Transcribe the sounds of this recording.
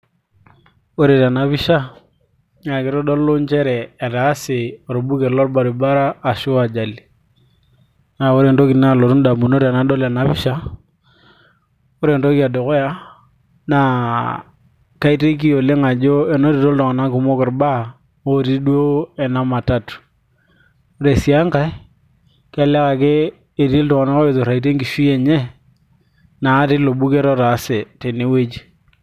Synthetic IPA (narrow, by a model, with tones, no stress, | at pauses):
o˦ɾe˨ta˨na˨˦pi˦ʃa˦ | ŋa˨kɪ˨˦ɾo˦do˦lːo˦nt͡ʃɛ˦ɾɛː˨ta˨˦se˨ɾo˨bu˦ke˨lɔ˦ɾba˨ɾi˨ba˦ɾaː˦˨ʃu˦a˨d͡ʒa˨li˨ | na˨o˦ɾe˨nto˦ki˨na˦˨lo˨ɾu˦nda˨mu˨no˦ɾa˨na˦do˦la˨na˦pi˦ʃa˦ | o˦ɾe˨nto˦ki˦a˨do˨ko˦ja˦ | na˨ | ka˦ɪ˨˦te˦k̬i˦jo˨le˦ŋa˨d͡ʒo˦e˨no˦ɾi˨to˦ltɔ˨ŋa˨na˦ku˨mo˦kɪ˨ɾba˦ | o˦˨ɾi˦dwo˦ɛ˨na˦ma˨ta˦t | o˦ɾe˨si˨˦a˦ŋka˦i˦ | ka˦lɛ˦ka˨keː˦˨ | ti˦ltɔ˨ŋa˨na˦ko˦e˨to˨ɾa˨i˨te˦ŋɡi˨ʃi˦e˨ɲe˦ | naː˨˦tɪ˦lo˨bu˦ke˦ɾɔ˦ɾa˨˦se˨te˨ne˦we˦d͡ʒ